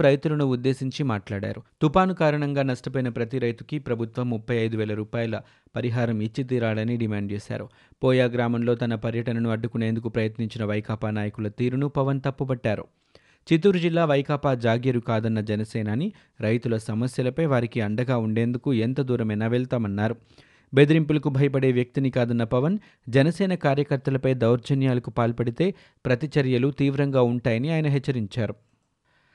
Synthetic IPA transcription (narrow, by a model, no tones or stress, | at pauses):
ɾɐjt̪ulɐnuːd̪ːe̞ːsiɲt͡ʃimaːʈlaːɽa̰ːɾut̪upaːnukaːɾɐɳɐŋɡaːnɐsʈɐpɐjnɐpɾɐt̪iɾɐjt̪ukipɾɐbʱut̪ʋɐmːupʰːɐjɐjd̪uʋɛːlɐɾuːpaːjɐlɐ | pɐɾiɦaːɾɐmit͡ʃːit̪̬iːɾaːɭɐniɖimaːɳɖ̚t͡ʃɛːsa̰ːɾu | pɔːjaːɡɾaːmɐmlo̞ːt̪ɐnɐpɐɾjɐʈɐnɐnuɐɖːukune̞ːnd̪ukupɾɐjɐt̪niɲt͡ʃinɐʋɐjkaːpaːnaːjɐkulɐt̪iːɾunupɐʋɐnt̪ɐpːɐbɐʈːaːɾṵ | t͡ʃit̪uːɾud͡ʒilːaːʋɐjkaːpaːd͡ʒaːɡjɐɾukaːd̪ɐnːɐd͡ʒɛnɐsɛːnaːni | ɾɐjt̪ulɐsɐmɐsjɐlɐpɐjʋaːɾikiɐɳɖɐɡaːuɳɖe̞ːnd̪ukuent̪ɐd̪uːɾɐmɛnaːʋɛɭt̪aːmɐnːaːɾu | be̞d̪iɾimpulɐkubʱɐjɐp̬ɐɽe̞ːʋjɐk̚t̪inikaːd̪ɐnːɐpɐʋɐn | d͡ʒɛnɐsɛːnɐkaːɾjɐkɐɾt̪ɐlɐpɐjd̪ɐwɾd͡ʒɐnjaːlɐkupaːlpɐɽit̪e̞ː | pɾɐt̪it͡ʃɐɾjɐlut̪iːʋɾɐŋɡaːuɳʈaːjɐniaːjɐnɐɦɛt͡ʃːɐɾiɲt͡ʃaːɾu